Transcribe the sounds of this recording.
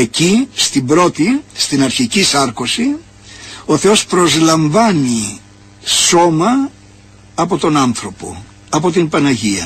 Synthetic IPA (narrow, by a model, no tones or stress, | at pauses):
e̞cist̪imbɾo̞t̪ist̪inɐɾçicisɐɾkosi | oθe̞o̞spɾo̞zlɐɱvɐni | so̞mɐː | po̞t̪o̞nɐnθɾo̞po̞̰ | ɐpo̞t̪impɐnɐʝiɐ